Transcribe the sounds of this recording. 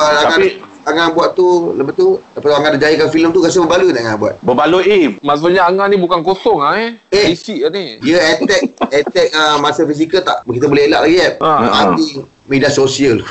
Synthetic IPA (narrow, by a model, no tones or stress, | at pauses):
əaaa | aŋabuaʔ̪uləbət̪udapat̪aaŋandad͡ʒajikanfiləmt̪uɣas̬əbəbalunaʔaŋabua̰t̪̚bəbaluʔifmas̬oɲaaŋanibukankosɔŋaeeisiʔaniiəɛt̪ɛk̚ɛt̪ɛk̚əmasəfis̬ikəlt̪a̰ʔkit̪əbolɛhɦela̰ʔlaɡiɛp̚aai | midiasosiəl